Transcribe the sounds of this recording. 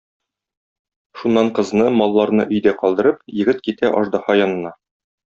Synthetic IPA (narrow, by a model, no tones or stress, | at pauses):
ʃunːɑɴqɤ̆znɤmɒlˠːɑɾnɤʔɵ̆jd̪æqɒlˠd̪ɤ̆ɾɤpjɘ̆ɡɘt̪kit̪æʔɒ̰ʒd̪ɑhɑjɒnɤ̆nɑ